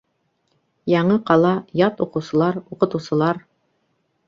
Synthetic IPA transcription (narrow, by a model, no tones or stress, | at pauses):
jɑɴɤqɑlˠɑjɑt̪uqɤ̆wsɤ̆lˠɑɾuqɤ̆t̪ɤ̆wsɤ̆lˠɑɾ